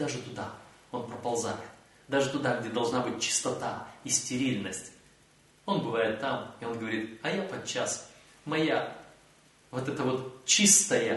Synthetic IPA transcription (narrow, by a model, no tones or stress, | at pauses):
d̪aʐɨt̪ʊd̪a | o̞npɾəpɐlˠza̰nʲɪt̪ | d̪aʐɨt̪ʊd̪aɡ̚dʲed̪ɐlˠʐnabɨt̚ʲt͡ɕɪ̥st̪ɐt̪aisʲtʲɪɾʲilʲnəsʲtʲ | o̞nbɨvajɪt̪ːamɪo̞nɡəvɐɾʲit̪ɐjapɐd̪̚t͡ɕːas | mɐja | vot̪ɛt̪əvo̞t̪t͡ɕist̪əjə